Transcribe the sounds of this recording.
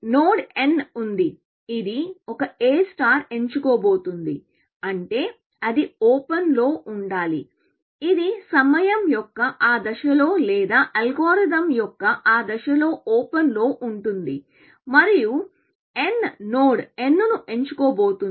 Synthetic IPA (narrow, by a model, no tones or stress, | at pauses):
noːɽe̞nund̪i | id̪iɔkɐeːsʈaːɾe̞ɲt͡ʃukoːbo̞ːt̪und̪i | ɐɳʈe̞ː | ɐd̪ioːpɐnlo̞ːʔuɳɖaːlḭ | id̪isɐmɐjɐmjɔkːɐʔaːd̪ɐʃɐlo̞ːlɛːd̪aːʔɐlɡoːɾɐd̪ɐmjɔkːɐʔaːd̪ɐʃɐlo̞ːʔoːpɐnlo̞ːʔuɳʈund̪i | mɐɾiju | e̞nnoːɽe̞nːnuʔe̞ɲt͡ʃukoːbo̞ːt̪u